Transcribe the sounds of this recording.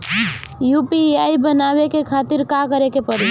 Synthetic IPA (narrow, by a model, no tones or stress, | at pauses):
jupiaibənabekekʰat̪iɾkakəɾekepəɾi